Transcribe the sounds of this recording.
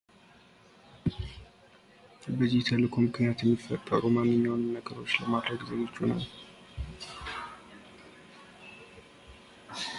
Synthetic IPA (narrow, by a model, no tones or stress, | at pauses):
bəzːit̪ʰəlɨkʰomɨkʰnijat̪jɛmːifət̪ʼːə̰ɾumanːɨɲːawnːəɡəɾo̞t͡ʃːləmad̪ɾəɡzəɡot͡ʃːuna̰l